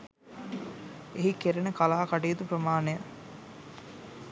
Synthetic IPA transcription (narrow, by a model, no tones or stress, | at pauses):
eɦikeɾenəkalaːkaʈijːt̪upɾəmaːnejə